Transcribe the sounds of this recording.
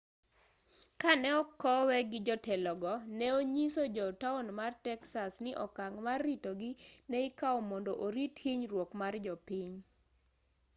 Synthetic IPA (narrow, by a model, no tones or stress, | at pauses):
kanɛɔkːɔwɛɡɪd͡ʒɔtɛlɔɡɔnɛoɲisod͡ʒɔtaunmartɛksasnɪʔɔkaŋmarːitoɡɪnɛikaɔmɔndɔʔoɾithiɲrwokmard͡ʒɔpiɲ